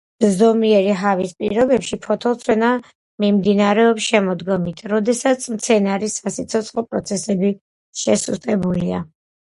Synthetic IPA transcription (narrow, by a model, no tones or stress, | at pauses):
zɔmiɛɾiɦavispʼḭɾɔbɛpʃipʰɔt̪ʰɔlˠt̪sʰwɛna | mimd̪inaɾɛɔpsʃɛmɔd̪ɡɔmit̪ʰɾɔd̪ɛsat̪sʰmt̪sʰɛnaɾisasit̪sʰɔt̪sʼχʼɔpʼɾɔt̪sʰɛsɛbi | ʃɛsust̪ʼɛbulia̰